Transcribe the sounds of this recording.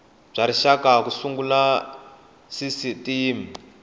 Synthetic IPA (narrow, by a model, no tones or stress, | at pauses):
b͡ʐaɾiʃakakusuŋɡula | sisitiːmi